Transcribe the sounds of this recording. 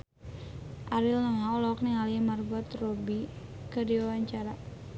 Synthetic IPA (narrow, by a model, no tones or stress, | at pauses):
ʔaɾilnəŋaɔlɔkniŋalimarɡɔt̪robi | kədiwawaɲt͡ʃaɾa